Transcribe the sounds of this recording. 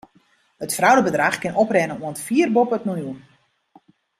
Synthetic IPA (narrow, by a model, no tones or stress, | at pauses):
hətfrawdəbədraxkɪnɔprɛnənuəntfiːərbopəətnunjuən